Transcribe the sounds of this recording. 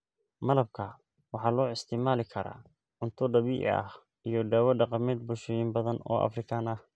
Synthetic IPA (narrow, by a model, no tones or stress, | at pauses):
mɐlɐb̚kʰɐ | wɑħɑːlɔːɪst̪ʰɪmaːlɪkʰɐɾa̰ː | ʊnt̪ʰʊɖɐβiːʔɐ̰h | ijɞɖaːwɐɖɑqɑmɛːd̪̚bʊlʃɔjɪmbɐðɐnɔ̰ːʔɐ̰frɪkʰaːnɐh